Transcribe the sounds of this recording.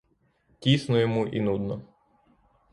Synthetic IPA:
tʲisnɔjɔmuʔḭnud̪nɔ

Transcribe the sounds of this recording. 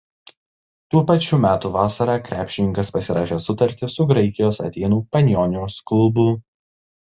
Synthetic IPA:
t̪uːpɐt͡ʃʲuːmʲæːt̪uːʋɑːsɐɾɑːkɾʲʔæːpʲʃʲɪnʲɪŋkɐspɐsʲɪɾɑːʃʲeːsʊt̪ɐɾʲt̪ʲɪsʊɡɾɐɪkʲɪjoːsɐ̰t̪ʲɛɪnuːpɐnʲjɔːnʲjoːsklˠʊbʊ

